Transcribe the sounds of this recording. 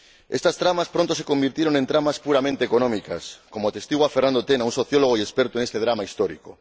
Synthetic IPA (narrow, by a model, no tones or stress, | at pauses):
est̪ast̪ɾamaspɾont̪osekombiɾt̪jeɾoŋẽnt̪ɾamaspuɾamẽnt̪eːkonõmika̰skomoat̪est̪iɣwafernand̪ot̪enaunsoθjoloɣ̞oiespeɾt̪oeŋest̪eð̞ɾamaist̪oɾḭko